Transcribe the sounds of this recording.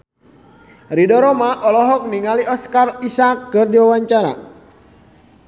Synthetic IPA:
ridɔɾɔmaʔɔlɔɦɔk̚niŋaliɔskarisakːɨrdiwawaɲt͡ʃaɾa̰

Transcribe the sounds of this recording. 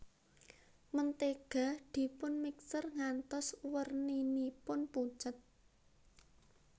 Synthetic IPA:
mənt̪eɡ̥a̤d̪̥i̤pʊnmiksərŋant̪ɔswərninipʊnpu̥t͡ʃət̪̚

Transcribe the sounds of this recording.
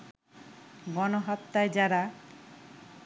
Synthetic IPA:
ɡɔnoɦat̪ːaed͡ʒaɾa

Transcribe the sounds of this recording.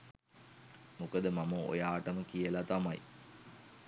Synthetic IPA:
mukəd̪əmaməo̰jaːʈəməkijəlat̪amaj

